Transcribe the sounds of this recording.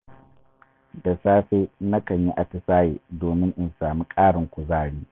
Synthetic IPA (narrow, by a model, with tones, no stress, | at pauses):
da˨saː˦ɸeː˦na˦kɐ˨ɲji˦ʔa˨tɪ˨saː˦jeː˨doː˨mɪ˦ŋʔɪ˨nsaː˨miː˦kʼaː˦ɽɪ˨ŋkʷu˨zaː˦˨ɽiː˦